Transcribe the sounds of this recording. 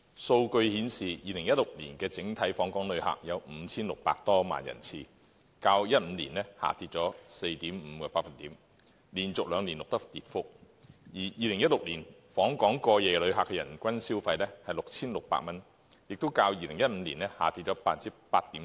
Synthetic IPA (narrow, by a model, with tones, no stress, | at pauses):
so˧wkɵ˧ɥhiː˨˥nsiː˨jiː˧lɪ˨˩ŋjɐ˥t̚lʊ˨k̚lḭː˨˩nkɛː˧t͡sɪ˨˥ŋt̪ʰɐ˨˥jfɔː˨˥ŋkɔː˨˥ŋlɵ˨˧ɥha̰ː˨k̚jɐ˨˧wm̩˨˧˥t͡sʰiː˥nlʊ˨k̚paː˧k̚t̪ɔː˥ma̰ː˨˩njɐ̰˨˩nt͡sʰiː˧ | kaː˧wjɐ˥t̚m̩˨˧liː˨˩nlɛ˥ha̰ː˨˩t̪iː˧t̚t͡sɔː˨˥se˧jt̪iː˨˥mm̩ː˨˧kɔː˧paː˧tfɐ˨nt̪iː˨˥m | liː˨˩nt͡sʊ˨k̚lœː˨˧ŋliː˨˩nlʊ˨k̚t̪ɐ˥k̚t̪iː˨˧t̚fʊ˥k̚jiː˨˩jiː˨˧lɪ˨˩ŋjɐ˥t̚lʊ˨k̚liː˨˩nfɔː˨˥ŋkɔː˨˥ŋkɔː˧jɛː˨lɵ˨˧ɥɦaː˨kːɛ˧jɐ˨˩nkʷɐ˥nsiː˥wfɐ˧jlɛː˥hɐ˨jlʊ˨k̚t͡sʰiː˥nlʊ˨k̚pa̰ː˧k̚mɐ˥n | jɪ˨k̚t̪o˥wkaː˧wjiː˧lɪ˨˩ŋjɐ˥t̚m̩˨˧liː˨˩nlɛː˥ha̰ː˨˩t̪iː˧t̚t͡sɔː˨˥paː˧t̚t͡siː˥paː˧t̚t̪iː˨˥